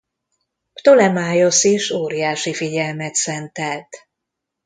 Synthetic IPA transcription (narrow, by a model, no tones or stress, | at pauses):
pt̪olɛmaːjo̞siʃoːɾijaːʃifiɟɛlmɛt̪sɛnt̪ɛlt̪